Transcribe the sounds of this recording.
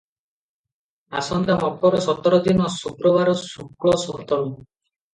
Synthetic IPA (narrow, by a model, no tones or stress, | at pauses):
asɔnd̪amɔpɔɾɔsɔt̪ɔɾɔd̪inɔsukɾɔβaɾɔsukɭɔsɔɦt̪ɔɾu